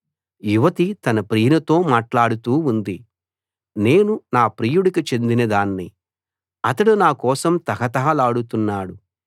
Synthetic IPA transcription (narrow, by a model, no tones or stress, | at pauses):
juʋɐt̪it̪ɐnɐpɾiːnɐt̪o̞ːmaːʈlaːɽut̪uːund̪i | ne̞ːnunaːpɾiːjuɽikit͡ʃe̞nd̪inɐd̪aːnːi | ɐt̪ɐɽunaːkɔːsɐmt̪ɐɦɐt̪ɐɦɐlaːɽut̪unːaːɽu